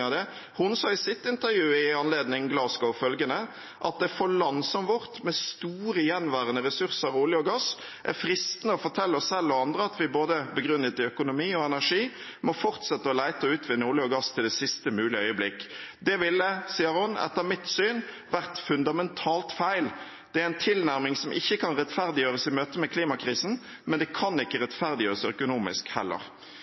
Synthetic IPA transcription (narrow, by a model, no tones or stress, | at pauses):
ɑd̪ɛ | hʊnsɑːɪsɪt̪ːɪnt̪əɾjʉːəɪɑnleːd̪nɪŋɡlɑːskɔʊfœlɡənə | ʔɑ̰t̪̚d̪ɛfɔɭɑnsɔmʋɔʁt̪mɛst̪uːɾəjɛnːʋæːʁənəʁɛsʉɾsəɾuːlɪɔɡɑs | ʔæ̰ɾfɾɪst̪nəɔfɔt̪ʰɛlːəɔssɛlːɔɑnd̪ɾəɑt̪ʋɪboːd̪əbəɡɾʉnːət̪ːɪœkʊnʊmiːɔɛnæʁʂiː | mɔfɔʁt̪sɛt̪ːəɔlæɪt̪əɔʉːt̪ʰʋɪnːəuːlɪɔɡɑst̪ʰɪld̪ɛsɪst̪əmʉːlɪəœʏəblɪkːd̪ɛʋɪlːəsiːəɾhʊnɛ̰t̪ːəmɪt̪syːn | ʋæʁt̪fʉnd̪ɑmɛnt̪ʰɑːlt̪fæɪl | d̪̥ɛææɪnt̪ʰɪlnæʁmɪŋsɔmʔɪçːəkʰɑnʁɛt̪fæʁd̪ɪjøːʁəsɪmøːt̪əmɛkʰliːmɑkʰʁiːsn̩ | mɛnd̪ɛkʰɑnɪkːəʁɛt̪fæʁd̪ɪjøːʁəsœkʊnuːmɪ̰skhɛ̰lːə̰ʁ